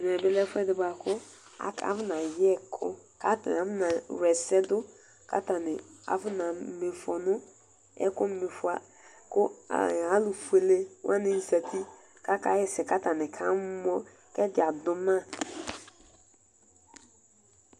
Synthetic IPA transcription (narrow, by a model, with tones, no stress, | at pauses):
m˨ɛ˨bɪ˦lɛ˦fʊ˦ɛ˦dɪ˨ba˨kʰʊ˦ | a̰˨ka̰˨˦vʊ˦nã˨jɛ˦˨kʰʊ̰˦ka˦ta˨n˨a˨˦vʊ˦na˨ɾɛ˨sɛ˦dʊ˦ | kʰa̰˦ta˨nɪ˨a̰˨vʊ˦nã˨me˨fɔ˨nʊ̃˦ | ɛ̰˦kʊ˦m̩˦me˨fʊ˦a˨ | kʊ˦a̰˨a˨˦lʊ˨fu˨e˨le˦wʔa˦nɪ̃˨n̩˨sa˨tʰi˦ | ka˦ka˦jɛ˦sɛ˨ka˦ta˨nɪ˨kʰa˦m˦mɔ˦ | kɛ˦d͡ʒɪ˨a˨dʊ˦mã˦˨